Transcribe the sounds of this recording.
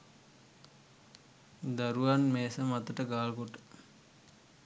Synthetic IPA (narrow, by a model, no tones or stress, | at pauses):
d̪aɾuʋanmeːsəmat̪əʈəɡaːlkoʈə̥